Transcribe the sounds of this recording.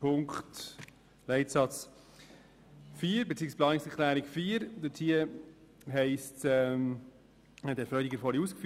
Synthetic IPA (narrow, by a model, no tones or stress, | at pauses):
pʰʊŋkt | lɛɪtsɑt͡s | fiːəɾbet͡siːəksplɑːnɪksɛkʰlæːɾɪkfiːɾd̥̪ətʰhiə | ɦɛɪstɛm | d̥ɛɾfœʏdiɡəɾfɔɾiuːskfy